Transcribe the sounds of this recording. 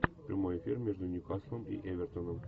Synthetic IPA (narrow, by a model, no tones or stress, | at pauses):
pɾʲimojefʲirmʲeʐd̪unʲukɑsˠomḭʔevʲert̪onom